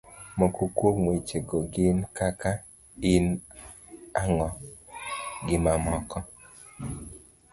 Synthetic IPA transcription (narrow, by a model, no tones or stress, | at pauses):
mɔkokwokmoit͡ʃeɡoɡɪnkaka | ɪn | aŋɔ | ɡɪmamɔkɔ